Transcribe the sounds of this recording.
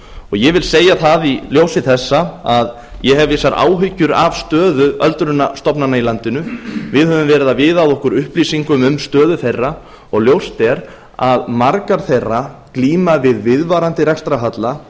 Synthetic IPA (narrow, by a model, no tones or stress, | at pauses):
ɔɣjɛvɪlseːjaθaðiljowsɪθɛsːaað | jɛɦɛvɪsaɾʔa̰ːwɦʏcːʏɾavst̪œːðʏœlt̪ɾʏnːast̪ɔpnanailant̪ɪnʏvɪðhœvʏmvɛːɾɪðavɪðawðɔhkʏɾʏhplisiŋkʏmʏmst̪œːðʏθejrːa | ɔɣljowst̪ɛɾ | aðmaɾkaɾ̥θejrakliːmavɪðvɪðvaːɾant̪ɪrɛkst̪ɾaɦat̪la